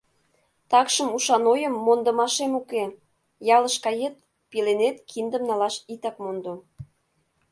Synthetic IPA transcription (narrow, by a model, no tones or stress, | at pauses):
t̪ɑkʃəmuʃɑnojəmːond̪ə̆mɑʃemuke | jɑləʃkɑjet̪̚ | pilenet̪kʰind̪ə̆mnɑlɑʃit̪ɑkmond̪o